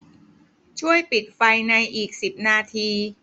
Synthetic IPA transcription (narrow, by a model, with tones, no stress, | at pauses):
t͡ɕʰu˥˩əjpi˨˩t̪̚fa˧jna˧jʔiː˨˩k̚si˨˩p̚naː˧t̪ʰiː˧